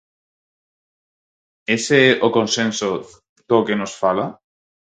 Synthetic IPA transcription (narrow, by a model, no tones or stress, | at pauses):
eseɛʔokonsenso | d̪̥okenosfala